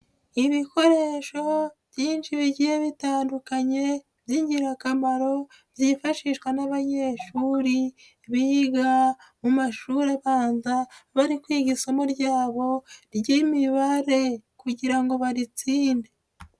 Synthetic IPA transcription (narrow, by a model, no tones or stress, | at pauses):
iβiko̞ɾe̞ʃo̞β̥jiːnʃiβiɟijeβitaːndukaɲe̞ | βjiɲɟiɾakamaɾo̞ | βjiːfaʃiʃkwanaβaɲe̞ːʃuɾi | βihiɡa | mumaʃuɾaβaːnzaβaɾikwiːɡisomuɾɟaːβo̞ɾɟimiβaɾe̞kuɟiɾaŋɡo̞βaɾit͡siːnde